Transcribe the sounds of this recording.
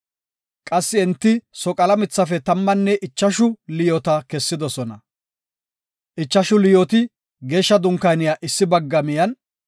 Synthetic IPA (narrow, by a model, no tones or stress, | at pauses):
kʼɐsːɪɛnt̪ːɪsɔkʼɐlɐmɪt͡sːɐfɛt̪ɐmːɐnːɛʔɪt͡ʃːɐʃʊlɪjɔt̪ɐkɛsːɪd̪ɔsɔnɐ | ʔɪt͡ʃːɐʃʊlɪjot̪ɪ | ɡeːʃːɐd̪ʊŋkɐjnɪjaːʔɪsːɪbɐɡːɐmɪjɐn